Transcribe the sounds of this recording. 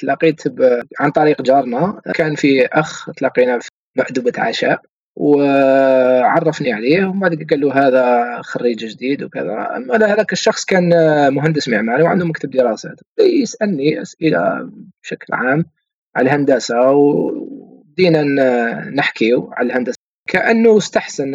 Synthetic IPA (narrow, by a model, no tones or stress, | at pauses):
t̪lɑqiːt̪bʕant̪ˤɑɾiːqd͡ʒɑɾˤnakʰaːnfiʔaxt̪lɑqːiːnaf | mʊʕd̪ʊbat̪ʕa̰ʃa̰ːʔ | w | ʕɑrˤːɑfniʕaleːhwbaʕd̪ɡɡalːuɦaːðaxɑrːiːd͡ʒʒd̪iːd̪wkə̰ða̰ʔa̰mːalhaðaːkəʃːɑxsˤkaːnmʊɦand̪əsməʕmalwʕa̰nd̪ʊmakt̪əb̚d̪əɾˤɑsa̰ːt̪d̪ijəsʔælniʔa̰sʔəla̰bʃaklʕaːm | ʕa̰lhand̪æsaw | d̪iːnanəħkiuʕa̰lalhand̪as | kʰaʔənːʊst̪aħsan